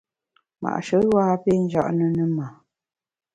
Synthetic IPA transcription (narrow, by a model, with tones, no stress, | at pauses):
ma̰˨ʔʃə˨˦waː˦pe˦˨n̩˦d͡ʒa˦ʔnə˦nə˦ma˨